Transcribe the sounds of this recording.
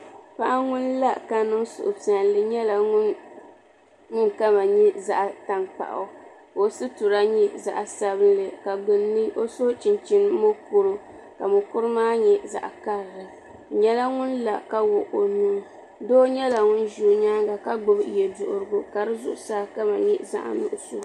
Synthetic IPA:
pa˦ʔa˦ŋʊ˦nla˦ka˨nɨ˦ŋsʊ̰˨ʔʊ˨pi˨a˨nlɨ˨ɲɛ˦la˨˦ | ŋʊ˦ŋka˦ma˨ɲɛ˦za̰˨ʔta˨ŋk͡pa̰˨ʔʊ̰˨ | o˨sɨ˦tu˨ɾa˦ɲɛ˦za̰˨ʔsa˦bɨ˦n˦lɨ˨ka˨ɡ͡bɨ˨nːɨ˦o˦so˦t͡ʃɪ˨nt͡ʃi˦n˦mo˦kʊ˦ɾɨ˦ | ka˨mʊ˨kʊ˦ɾɨ˦maː˦ɲɛ˦za̰˨ʔka˦ɾɾɨ˨ | ɲɛ˦la˦ŋʊ˦nla˨ka˦wʊ˨ʔo˨nuː˦ | doː˦ɲɛ˦la˨ŋʊ˦n˦ʒuː˦ɲa˦ŋɡa˨ka˦ɡ͡bʊ˨bjɛ˨dʊ˨ʔʊ˨ɾɨ˨ɡʊ˨ka˨ɾɨ˦zʊ˦ʔʊ˦saː˦˨ka˦ma˨ɲɛ˦za̰˨ʔnʊ̰˦ʔʊ˨su˦

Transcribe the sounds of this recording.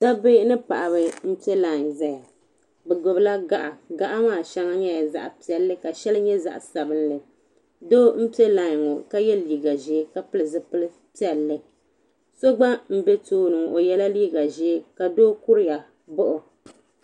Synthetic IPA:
da˦be˦nɨ˦pa˨ʔa˨βɨ˨˦m̩˦pi˦e˦la˨ŋza˦ja˨ | bɨ˨ɡʊ˨bla˦ɡa˨ʔa˨ɡa˨ʔa˦maː˨ʃɛ˦ŋa˦ɲɛ˦ja˨za̰˨ʔa˨pi˨ɛ˨lːɨ˦ka˨ʃɛ˦lɨ˦ɲɛ˦za̰˦ʔsa˨bɨ˦nlɨ˨ | doː˦m̩˦pi˦e˦la˨ŋo˨ka˦jɛ˦liː˨˦˨ɡa˨ʒe˦ka˨pɨ˦lɨ˨zɨ˦pɨ˦lɨ˦ | pi˦ɛ˨lːɨ˦ | so˦ɡ͡ba˦m̩˦bɛ˦toː˦nɨ˨ʔo˨jɛ˦la˦liː˦ɡa˨ʒe˦ka˨doː˦ku˦ɾɪ˦ja˨ | bʊ˦ʔʊ˨

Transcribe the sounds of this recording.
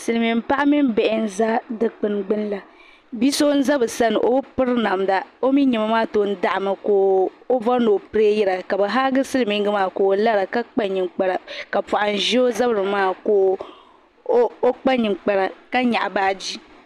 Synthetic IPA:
sɨ˨lɨ˨mi˨m˦pa˦ʔa˦mi˦m˦bɛ˨ʔɪ˨n̩˦˨za˦dɨ˨k͡pɨ˨n˨ɡ͡bɨ˦nla˨ | bi˦so˦n̩˦za˦bɨ˨sa˦nɨ˨ʔo˨˦pɨ˦ɾɨ˦na˨mda˨o˦mi˦ɲɛ˨ma˦maː˦to˨˦n̩˦da˦ʔa˨ma˨ko˦ | o˦va˦no˨pɨ˦ɾe˦jɛ˦ɾa˨ka˨bɛ˨ɦa˦ɡɨ˦sɨ˦lɨ˨mi˨ŋ˦ɡɨ˦maː˦˨ko˨la˦ɾa˨ka˦k͡pa˦ɲi˨ŋ͡mk͡pa˦ɾa˨ka˨pu˨ʔa˨n̩˨ʒi˦o˦za˦bɾɨ˨maː˦koː˦ | o˦k͡pa˦ɲi˨ŋ͡mk͡pa˨ɾa˨ka˦ɲa˨ʔbaː˦d͡ʒi˦

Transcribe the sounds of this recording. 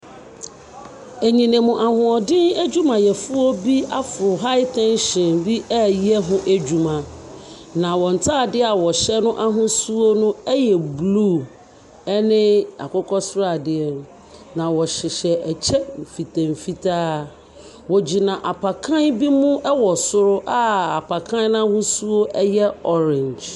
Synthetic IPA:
e˨ɲĩ˨nẽ˨mũ˨ʔa˨hʊ̃˨ɔ˨dɪ̃˦næ˦d͡ʑᶣu˦mã˨jɛ˨fʊ˦ɔ˦bi˦a˦fʊ˨ɾʊ˨ɦa˦ɪ˦tʰɛ̃˦n˦ɕɪ̃˨nbi˦ʔɛ˦jɛ˦ɦʊ̃˦ʔæ˦d͡ʑᶣu˨mã˨ | nã˨wɔ̃˨n̩˨tʰaː˦˨dɪ˦a˨wɔ˨ɕɛ˦nʊ̃˦ʔa˦ɦʊ̃˦su˦o˦nʊ̃˦ɛ˦jɛ˨bluː˦˨ | ɛ˦nɪ̃˦a̰˨kɔ˦kʰɔ˦sʊ˦ɾa˨dɪ˦ɛ˨n˦ | nã˨wɔ˨ɕɪ˨ɕɛ˨ʔɛ˨t͡ɕʰɛ˦m̩˨fi˨tʰã˨m̩˨fi˦tʰaː˦ | wɔ˨d͡ʑi˨nã˨ʔa˨pʰa˨kʰã˦nbi˦mʊ̃˦ʔɛ˦wɔ˨sʊ˦ɾʊ˦ʔa˦a˨pʰa˨kʰã˦n˦n˦a˦hʊ̃˦su˦o˦ʔɛ˦jɛ˦ɔ˦ɾɪ̃˨ɲd͡ʒ

